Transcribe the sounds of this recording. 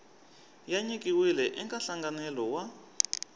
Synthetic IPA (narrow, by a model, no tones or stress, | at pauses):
jaɲikʼiwilɛʔɛŋkaɬaŋɡanɛlɔwa